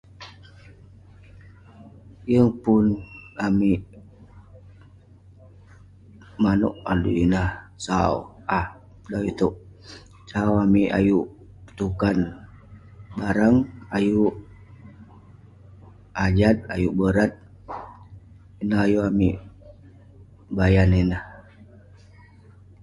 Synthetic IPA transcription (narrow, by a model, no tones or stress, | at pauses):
jəŋpunami | mano̰ʔalṵinahsao̰ | ah | dait̪uʔ | sawamiʔa̰juʔ | t̪ukan | baɾaŋaju | ad͡ʒat̪̚ajuʔbəɾat̪̚ | inaɦajuamḭ | bajaninah